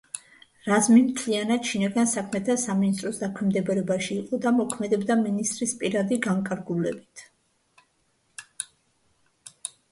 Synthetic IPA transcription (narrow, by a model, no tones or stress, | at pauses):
ɾazmimt̪ʰlianad̪ʃinaɡansakʰmɛt̪ʰasaminist̪ʼɾɔsd̪akʰwɛmd̪ɛbɾɛbaʃiːqʼɔd̪amɔkʰmɛd̪ɛbd̪aminist̪ʼɾispʼiɾad̪iɡaŋkʼaɾɡulɛbit̪ʰ